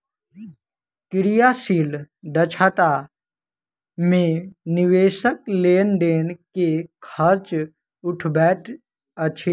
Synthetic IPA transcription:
kɪɾijasiːl | ɖət͡ʃʰat̪a | mẽniʋeːʃək̚leːnɖ̪eːnkekʰəɾt͡ʃ | uʈʰbɛːʈʰ | ət͡ʃʰe

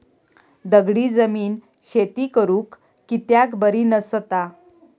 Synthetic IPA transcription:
d̪əɡɽiːd͡zəmiːn | ɕet̪iːkəɾũːkː | it̪jakbəɾiːnəst̪a

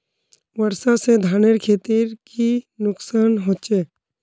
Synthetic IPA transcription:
ʋəɾsased̪ʱaːneɾkʰeːt̪iɾkinʊksaːnɦoːt͡ʃeː

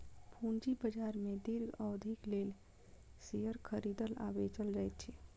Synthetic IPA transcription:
pʰuːnd͡ʒibəd͡ʒaːɾmẽd̪ɪɾɡəwd̪ʱɪkleːl | sejəɾkʰəɾiːd̪əla̰ːbet͡ʃəld͡ʒaːet̪t͡ʃʰi

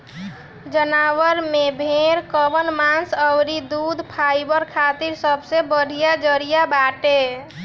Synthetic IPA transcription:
d͡ʒənaʋəɾmebʱeɾkəbənmansəwɾid̪ud̪ʱpʰajbəɾkʰat̪iɾsəbsebəɽ̤ʱijad͡ʒəɾijabaʈe

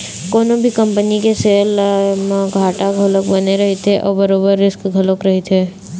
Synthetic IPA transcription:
kɔːnõbʱikɐ̃mpənikeseːl | ɡʱaːʈaɡʱɐlək̚bɐneɾɐɦet̪ʰeʔɔ̰ːɾbɐɾoːbəɾːɪskɡʱɐləkɾɐɦet̪ʰeː

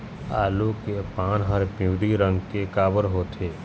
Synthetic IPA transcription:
a̰ːlokepaːnɦəɾpɪwd̪iɾə̃ŋɡkekaːbəɾɦoːt̪ʰeː

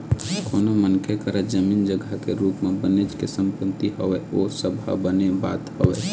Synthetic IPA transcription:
koːnomənkʰekəɾəd͡ʒəmiːnd͡ʒəɡʱakeɾuːpmẽbəned͡ʒkesə̃mpət̪ːiɦəʋɛosəbʱa̰bəneba̰ːt̪həʋɛ̰

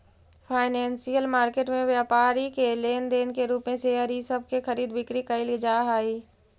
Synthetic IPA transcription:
pʰaːɪnɛ̃ːnsijəlmaːɾkeːʈmẽʋjaːpaːɾikeleːnd̪eːnkeɾuːpmẽseəɾisəb̚ʱkexəɾiːd̪bɪkɾikəilid͡ʒaːɦaːiː

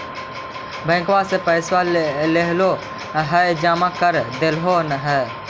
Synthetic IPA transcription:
bə̃ɪ̃ŋkwasepəɪswaleɦlo | ɦɛd͡ʒaːmakəɾd̪elɦoːnɦɛ

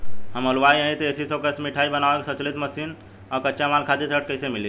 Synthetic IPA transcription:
həməlʋajə̃ĩt̪esisəkəsmiʈʰaibənaʋakesət͡ʃlit̪məsin | ɔɾkəːʃjamalkʰad̪esəʈ̚kəjsemili

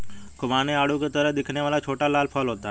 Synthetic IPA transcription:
kʊʋaːneaːɽuket̪əɾəd̪ɪkʰneʋaːlaːt͡ʃʰoːʈaːlaːlpʰɔːlɦoːt̪aː

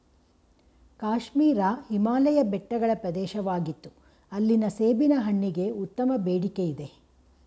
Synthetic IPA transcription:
kaːʃmiːɾɐhimaːlɐjɐbɛʈːɐɡɐɭɐpɾɐd̪ɛːʃɐʋaːɡit̪ːu̥ | ɐlːinɐseːbinɐɦɐɳːiɡe̞ut̪ːɐmɐbeːɽikejid̪e̞

